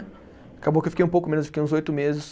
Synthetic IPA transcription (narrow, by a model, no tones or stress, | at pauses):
akabowkewfikejũpowkʊmẽnʊzefikejũzojt̪ʊmezɪs